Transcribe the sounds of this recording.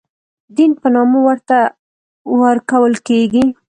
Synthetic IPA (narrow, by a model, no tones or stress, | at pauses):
d̪inpənɑmowəɾt̪a | wəɾkawəlkeɡi